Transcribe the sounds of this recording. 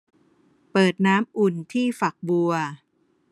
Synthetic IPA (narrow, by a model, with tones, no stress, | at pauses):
pɤː˨˩t̪̚naː˦˥mʔu˨˩nt̪ʰiː˥˩fa˨˩k̚bu˧ɐ